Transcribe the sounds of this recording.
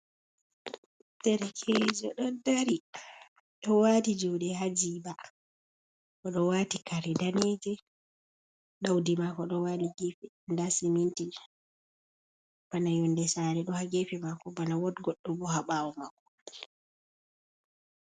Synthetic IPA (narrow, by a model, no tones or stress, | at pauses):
tɛɾɛkʰɛd͡ʒɔ̰ɗɔdaɾi | ɗɔwatid͡ʒuwɗɛɦad͡ʒiːba | ʔɔɗɔwaːtikaɾɛdaned͡ʒɛ | ɗawdimakɔɗɔwaliɡefi | ndasiminti | b̥anajɔndɛsaɾɛɗɔhaɡefimakɔbanawɔtɡɔɗːɔbɔhaɓawɔmakːɔ̥